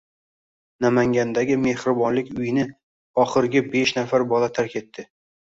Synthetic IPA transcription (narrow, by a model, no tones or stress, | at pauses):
namaŋɡʲand̪aɡʲɪme̞hɾɪbɒnlɪkʲʊjɪnɪ | ɒχɨɾɪɡʲabe̞ʃnafaɾbɒlat̪ʰaɾkʲʰe̞t̪ʰːɪ